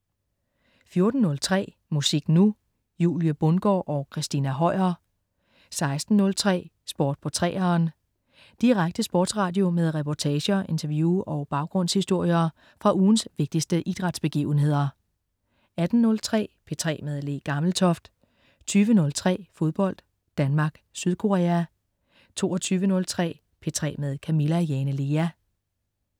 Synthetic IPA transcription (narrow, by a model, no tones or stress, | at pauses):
fjo̝ɐd̥n̩ːɔ̽lt͡sʰʁɛ̰ː | musiɡ̥nu | jṵːljəb̥ɔnɡ̥ɒʔɒkʰʁɛsd̥ḭːnæɦɒ̽ɪ̰ɐ | sɑ̈ɪsd̥n̩ːɔ̽lt͡sʰʁɛ̰ː | sb̥o̰ːd̥̚pʰɒ̽t͡sʰʁɛ̰ːɐːn | d̥iʁaɡ̥̚d̥əsb̥oːd̥sʁɑ̈d̥jo̝meðˠʁɛpʰɒt͡sʰɛːɕɐʔe̝nt͡sʰɐʋjuʔɒ̽ʊb̥ɑ̈ʊɡ̥ʁɔ̽n̰shisd̥o̝ɐ̰jɐ | fʁɑ̈ʔuːn̩sʋe̝ɡ̥̚d̥isd̥əʔid̥ʁɑ̈d̥sb̥e̝ɡ̥ḭʊn̩ɦe̝ð̰ˠɐ | æd̥n̩ːɔ̽lt͡sʰʁɛ̰ːpʰe̝t͡sʰʁɛ̰ːmeð̞ˠle̝̰ɡ̥ɑ̈ml̩t͡sʰɒ̽fd̥ | t͡sʰyːʋənɔ̽lt͡sʰʁɛ̰ːfo̝ð̞ˠb̥ɒ̽l̰d̥ː | ænmɑ̈ːɡ̥syðˠkʰo̝ʁɛ̰ːæ | t͡sʰo̝̰ːɒt͡sʰyːʋənɔ̽lt͡sʰʁɛ̰ː | pʰe̝t͡sʰʁɛ̰ːmeð̞ˠkʰæmilæjɛnəle̝ːæ